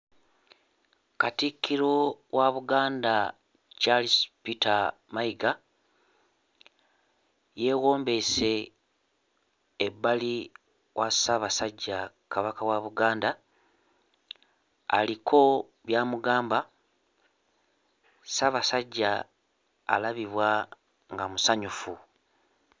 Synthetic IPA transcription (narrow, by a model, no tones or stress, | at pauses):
katikʰːiɾowʔaβuɡaːnda | t͡ʃalispita | maiɡa | je̞ːwo̞ːmbe̞se̞ | bːali | wʔasaβasaɟːa | kaβakawaβuɡaːnda | likʰo̞ | βjaːmuɡaːmba | saβasaɟːa̰ː | laβiβwa | ŋɡamusaɲufu